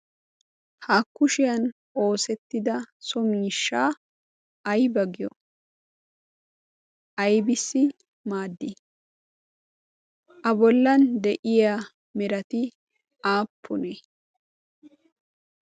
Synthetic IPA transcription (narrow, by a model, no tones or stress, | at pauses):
haːkːʊʃɪjɐn | ʔo̞ːsɛt̪ːɪd̪ɐsɔmiːʃːaː | ɐjbɐɡɪjɔ̰ | ʔɐjbɪsːɪ | maːd̪ːɪ | ʔɐbɔlːɐnd̪ɛʔɪja | mɛɾɐt̪ɪ | aːpʰːʊnɛ